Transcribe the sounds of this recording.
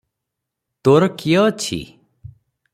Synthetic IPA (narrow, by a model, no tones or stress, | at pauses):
t̪oɾkijət͡ʃʰḭ